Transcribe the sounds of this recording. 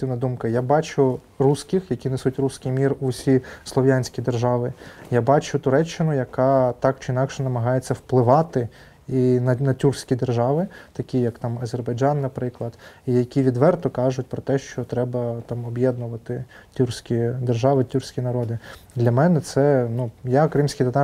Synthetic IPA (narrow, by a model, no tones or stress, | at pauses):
t̪ɪwnɐd̪umkɐjabɑt͡ʃʊ | rusʲkɪxjɐkʲinɪsutʲrusʲkʲɪjmʲirʊsʲislˠɔʋʲjanʲsʲkʲid̪erʒɑʋɪjabɑt͡ʃʊt̪ʊɾɛt͡ʃːɪnʊjɐkɑt̪ɑk̚t͡ʃɪinɑkʃɛnɐmɐɦɑjet͡sʲːɐwplˠɪʋɑt̪ɪ | inɐnɐtʲursʲkʲid̪erʒɑʋɪt̪ɐkʲijɐkt̪ɑmɐzerbɐjd͡ʒɑnːɐpɾɪklˠɐd̪̥ijɐkʲiʋʲid̪ʋɛrt̪ɔkɑʒʊt̚ʲpɾɔt̪ɛʃt͡ʃɔt̪ɾɛbɐt̪ɑmɔbjɛd̪̚nʊʋɐt̪ɪtʲursʲkʲid̪erʒɑʋɪtʲursʲkʲinɐɾɔd̪ɪd̪lʲɐmɛnɛt̪sɛnujakɾɪmsʲkʲijt̪ɐt̪ɑ